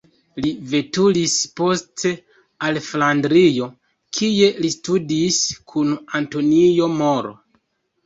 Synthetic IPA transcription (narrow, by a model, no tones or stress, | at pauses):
live̞tulispo̞stʰe̞ | alflandɾijo̞ | kʰije̞listudiskʰunanto̞nijo̞moɾo̰